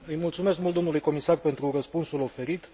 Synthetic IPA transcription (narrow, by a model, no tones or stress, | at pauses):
ɨjmult̪sume̞skmult̪d̪omnulujko̞misarpe̞nt̪ɾurəspunsulo̞fe̞ɾit̪